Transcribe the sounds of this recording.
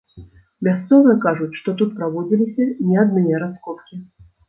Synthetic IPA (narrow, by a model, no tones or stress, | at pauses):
mʲast̪sɔvɨjɐkaʐut͡sʲʂt̪ɔt̪ut̪pɾavɔd͡zʲilʲisʲɐnʲɛad̪̚nɨjɛɾaskɔt̪kʲi